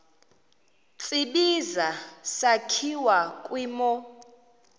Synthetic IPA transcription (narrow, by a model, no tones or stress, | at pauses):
t͡sʼiɓizasakʰiwakʼwiːmɔ